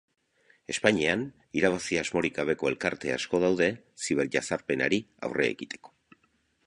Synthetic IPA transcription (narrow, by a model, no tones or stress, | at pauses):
e̞spaɲian | iɾaβ̞asiazmo̞ɾikaβ̞e̞ko̞e̞lkaɾt̪e̞a̰sko̞ð̞awðe̞ | siβ̞e̞ɾʝasaɾpe̞na̰ɾia̰wre̞̰ːɣit̪ʰe̞̥ko̥